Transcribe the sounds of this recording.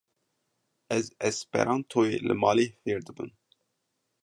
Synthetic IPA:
ɛzɛspɛ̰ɾʔɑːnt̪ʰoːjelɨ̰mɑːleːfeːɾd̪ɨbɨ̰n

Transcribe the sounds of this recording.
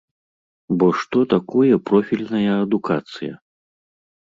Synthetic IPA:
bɔʂt̪ɔt̪akɔjɐpɾɔfʲilʲnɐjɐɐd̪ukat̪sɨjɐ̰

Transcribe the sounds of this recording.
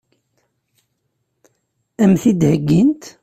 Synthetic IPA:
æmθid̪həɡːint̪

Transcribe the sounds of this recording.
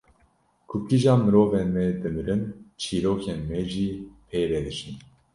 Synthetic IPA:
kʰukiʒaːmɨɾoːvɛnmɛd̪ɨmɨɾɨnt͡ʃʰiːɾoːkʰenmeʒiːpʰeːɾɛd̪ɨʃin

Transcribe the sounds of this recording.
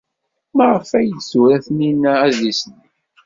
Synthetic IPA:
məʁəfæjədsuɾæθninææzisən

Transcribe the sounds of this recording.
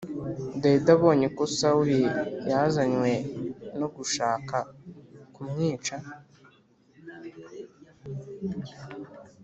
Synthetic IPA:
dedaβo̞ːɲekosawijazaɲwe̞noɡuʃaːkakumɲiːt͡ʃa

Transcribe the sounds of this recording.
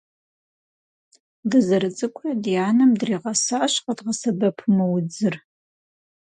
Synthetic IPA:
dɨzɐɾɨt͡sʼɨkʷʰɐdjaːnɐmdriːʁɐsaɕqədʁɐsɐbɐpʰmɨwd͡zɨr

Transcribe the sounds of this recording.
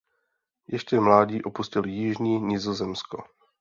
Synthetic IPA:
jɛʃcɛmlaːɟiːʔo̞puscɪljɪʒɲiːɲɪzozɛmsko

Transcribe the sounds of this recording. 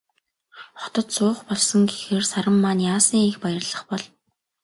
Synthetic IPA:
χɔ̥t̪ɞ̆t̪sʊːχpɔɮsɞ̆ŋɡexeːrsaɾə̆mːanjaːsiːŋixpajə̆rɮə̆χpɔɮ

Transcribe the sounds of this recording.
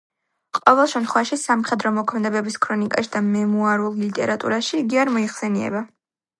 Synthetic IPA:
qʼɔvɛlˠʃɛmt̪χwaʃisamχɛd̪ɾɔmɔkʰmɛd̪ɛbɛbiskʰɾɔnikʼaʃid̪amɛmuaɾulˠlit̪ʼɛɾat̪ʼṵɾaʃiːɡiaɾmɔiχsɛniɛ̰ba

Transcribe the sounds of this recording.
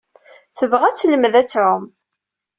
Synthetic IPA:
θəvʁæt͡sːləmðæt͡sːʕʊm

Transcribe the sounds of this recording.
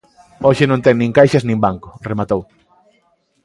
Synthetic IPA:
oʃɪnõnt̪ɛŋnĩŋkajʃaznĩmbaŋkʊremat̪ow

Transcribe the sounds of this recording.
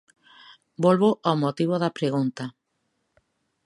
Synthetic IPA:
bolβoʔamot̪iβoðapɾeɣunt̪a

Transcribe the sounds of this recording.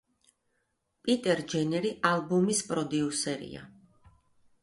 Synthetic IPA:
pʼit̪ʼɛɾd͡ʒɛnɛɾiʔalˠbumispʼɾɔd̪iusɛɾḭa̰

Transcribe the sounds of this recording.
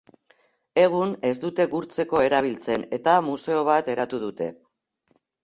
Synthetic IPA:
e̞ɣ̞une̞zd̪ut̪e̞ɡuɾt͡se̞ko̞e̞ɾaβ̞ilt͡se̞ne̞t̪amuse̞o̞β̞at̪e̞ɾat̪uð̞ut̪e̞̰

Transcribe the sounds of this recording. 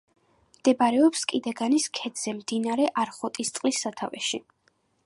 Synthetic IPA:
md̪̥ɛbaɾɛɔpskʼid̪ɛɡaniskʰɛd̪z̥ɛmd̪inaɾɛʔaɾχɔt̪ʼist̪sʼqʼlisːat̪ʰavɛ̰ʃi

